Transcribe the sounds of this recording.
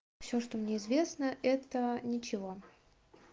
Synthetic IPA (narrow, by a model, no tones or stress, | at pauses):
fsʲoʂt̪omnʲeɪzvʲe̞snəɛt̪ənʲɪt͡ɕɪvo̞